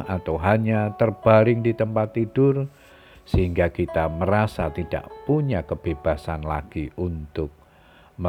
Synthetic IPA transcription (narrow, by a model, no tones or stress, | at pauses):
at̪awɦaɲat̪ərb̥aɾɪŋdit̪əmpat̪ːid̥ʊr | səɦiŋɡakit̪aməɾasat̪ida̰ʔpuɲakəb̥eb̥asanla̰ɡ̥iʔunt̪ʊk̚ | mə